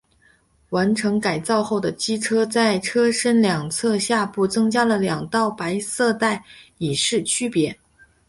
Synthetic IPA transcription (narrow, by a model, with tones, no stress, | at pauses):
wa˧˥nʈ͡ʂʰɤ˧˥ŋka˨˩ɪt͡sɑ˥˧ʊxo˥˩ʊd̪ə˩t͡ɕi˥ʈ͡ʂʰɤ˥t͡sa˥˩ɪʈ͡ʂʰɤ˥ʂə˥nljɑ˨˩ŋt͡sʰɤ˥˧ɕja˥˧pu˥˩t͡sɤ˥ŋt͡ɕja˥lə˨ljɑ˨˩ŋt̪ɑ˥˩ʊpa˧˥ɪsɤ˥˧t̪a˥˩ɪi˨˩ʂɻ̩˥˩t͡ɕʰy˥pjɛ˧˥